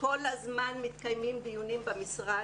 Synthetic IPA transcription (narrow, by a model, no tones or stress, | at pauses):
ko̞lhazmanmit̪kajmimbijunimbamisʁa